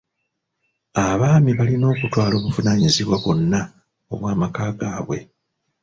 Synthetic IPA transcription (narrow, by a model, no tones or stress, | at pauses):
aβaːmiβalino̞ːkutwaːlo̞ːβuvunaɲiziβwaβo̞nːa | oβwaːmakaːɡaːβwe̞̰